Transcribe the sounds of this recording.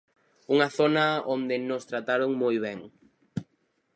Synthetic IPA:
uŋɐθonɐond̪ɪnost̪ɾat̪aɾoŋmojβ̞ɛŋ

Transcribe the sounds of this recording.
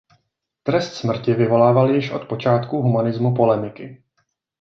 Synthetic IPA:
t̪ɾɛst̪smr̩cɪvɪvo̞laːvaljɪʃʔo̞̰t̪po̞t͡ʃaːt̪kuɦumanɪzmupo̞lɛmɪkɪ

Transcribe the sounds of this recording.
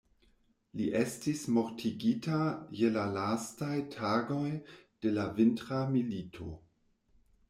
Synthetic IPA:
liʔestismoɾtʰiɡitajelalastajtʰaːɡo̞jd̥e̞lavintɾamilitʰo̰

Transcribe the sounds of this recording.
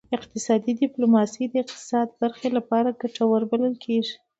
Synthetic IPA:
ɪqt̪ɪsɑd̪id̪ɪplomɑsijd̪əɪq̚t̪ɪ̥sɑd̪baɾxelapɑɾaɡaʈawəɾbaləlkʰeʐi

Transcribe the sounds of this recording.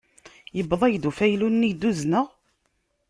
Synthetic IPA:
jəbðˤæjd̪ufæjlunːid̪uznəʁ

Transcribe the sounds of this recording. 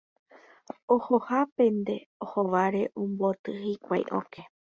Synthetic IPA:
ohohapẽnd̪e̞ohoʋaɾe̞ʔõmbot̪ɨhikʷajʔõ̰kʰe

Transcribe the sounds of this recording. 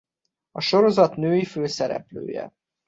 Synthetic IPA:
ɒʃo̞ɾo̞zɒt̪nøːjiføːsɛɾɛ̰plø̰ːjɛ̰

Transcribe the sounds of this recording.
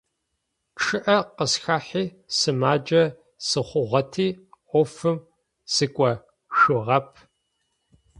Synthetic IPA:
ʈ͡ʂʰɨʔɐqəsxaːħiː | sɨmaːd͡ʒʼɐ | sɨχʷʊʁʷɐtʰiːʔʷɔfɨm | sɨkʷʼɐ | ʃɨʁɐp̚ʰ

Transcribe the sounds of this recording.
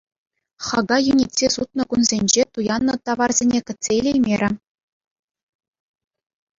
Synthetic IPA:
χɑɡɑjunʲetʲsʲesut̪̚nɤ̆kunzʲenʲd͡ʑet̪ujɑnːɤ̆t̪ɑʋɑrzʲenʲekʲɘ̆tʲsʲeilʲejmʲeɾʲɘ̆

